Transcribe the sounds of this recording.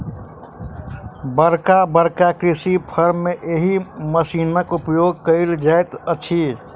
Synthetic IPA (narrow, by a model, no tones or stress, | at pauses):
bəɾkabəɾkakɾisipʰəɾmːeʔeɦiməsiːnəkupjoɡ̚kəɪld͡ʒaet̪ət͡ʃʰi